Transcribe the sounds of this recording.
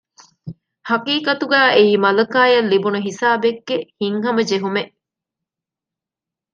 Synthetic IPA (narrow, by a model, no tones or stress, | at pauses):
hɐqiːqɐt̪uɡæːʔeiːmɐlɐkaːjɐlːibunuɦisaːbeɡːehiŋɦɐmɐd͡ʒeɦumeʔ